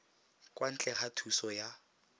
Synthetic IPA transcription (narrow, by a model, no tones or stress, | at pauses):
kʼwan̩t͡ɬʼɛχatʰusɔja